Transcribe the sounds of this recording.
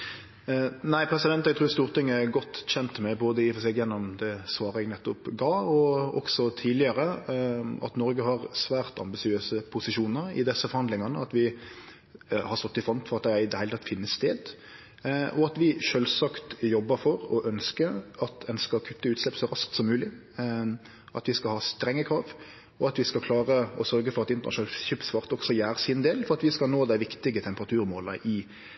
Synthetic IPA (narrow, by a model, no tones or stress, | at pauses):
næɪpʰɾɛsɪd̪ɛnt̪ɛɡ̚t̪ʰɾʉːst̪uːɾt̪ɪŋːæɾɡɔt̪ːçɛnt̪mɛboːd̪əɪfɔsɛɡjɛnːɔmd̪ɛsʋɑːɾəɛɡnɛt̪ːɔpɡɑːɔɔ̰ksɔt̪ʰiːdlɪəɾə | ʔɑ̰t̪nɔɾɡəɦɑɾsʋæːɾt̪ʰɑ̰mbɪsɪøːsəpʰʊsɪʃuːnəɾɪ̰d̪ɛsːəfɔɾhɑnd̪lɪŋɑnəɑt̪ʋɪ | hɑɾst̪ɔt̪ːɪfɾɔnt̪fɔɾɑt̪̚d̪ææɪd̪ɛhæɪət̪ʰɑt̪ːfɪnːəsst̪eːd̪ | ʔɔɑt̪ʋɪʃøːlsɑkt̪jɔbːəɾfɔɾɔʔœnskəɑt̪ɛnskɑkʰʉp̪ːəʉːt̪slɛpsɔɾɑskt̪sɔmːʉːlɪ | ʔɑt̪ʋɪskɑlhɑːst̪ɾɛŋːəkʰɾɑːʋ | ɔɑt̪ʋɪskɑkʰlɑːʁəɔsœɾɡəfɔɾɑt̪ɪnt̪ənɑʂʊneːlçʏpsʋɑːɾt̪ɔɡsɔjæːɾəsɪnd̪eːlfɔɾɑt̪ʋɪskɑlnoːd̪æɪʋɪkt̪ɪɡət̪ʰɛmpəʁɑt̪ʰʉːɾmoːləʔɪ